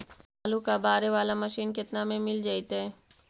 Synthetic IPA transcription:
aːlukabaːɾeʋaːlamɐʃiːnkɪt̪namẽmɪld͡ʒaːit̪ɦɛ

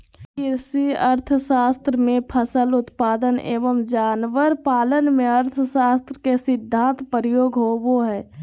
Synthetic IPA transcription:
ɪɾsiəɾt̪ʰəsaːst̪ɾəmẽpʰəsəlʊt̪paːd̪ənḛːʋəmd͡ʒaːnʋəɾpaːlənmẽəɾt̪ʰəsaːst̪ɾəkesɪd̪ʱːãːnt̪pəɾjoːɡʱɦoːboɦɛː

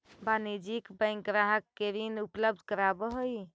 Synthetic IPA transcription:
banid͡ʒikbə̃jŋkɾaɦəkːeɾinupləb̚d̪ʱkəɾabəɦoj

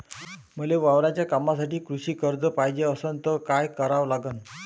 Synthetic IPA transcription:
m̤əleʋaʋɾat͡ɕjakamasaʈiːkɾuɕiːkəɾd͡zəpajd͡ʑeəsənt̪əkajkəɾaʋlaɡən

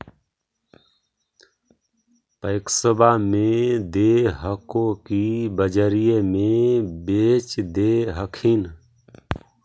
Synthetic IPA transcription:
pəɪksəbʱamed̪eɦəkokibəd͡ʒəɾijemebet͡ʃd̪eɦəkʰin

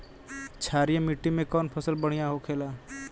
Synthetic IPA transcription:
t͡ʃʰaːɾijẽmiʈːimẽkɔːnpʰəsəlbəɽ̤̃ijaɦokʰeːlaː

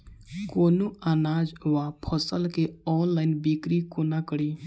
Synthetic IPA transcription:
koːnuaːnaːd͡ʒʋapʰəsəlkeɔːnlaːɪnbikɾikonakəɽi

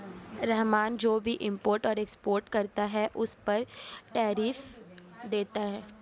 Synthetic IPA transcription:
ɾɛɦmaːnd͡ʒoːbʱiʔɪ̃mpoːɾʈɔːɾekspoːɾʈkɐɾt̪aɦɛʔʊspɐɾʈɛːɾiːfd̪eːt̪aɦɛː

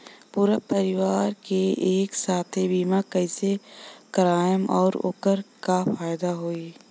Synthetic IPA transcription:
puːɾapɐɾɪʋaːɾkeeːksaːt̪ʰebiːmakɐisekɐɾaːjəmɔ̰ːɾo̰ːkəɾkafaːjd̪aɦoːiː

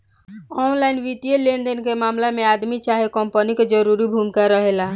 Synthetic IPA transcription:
ɔnlainʋit̪ijelend̪enkemamlamead̪mit͡ʃaɦekɔmpəniked͡ʒəɾuɾibʱumkaɾəɦela

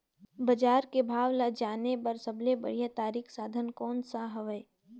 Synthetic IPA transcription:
bəd͡ʒaːɾkebʱaːʋlad͡ʒaːnepɐɾsəbʱlebə̰ɽijat̪aːɾiːksaːd̪ʱənkɔːnsaɦɐʋə

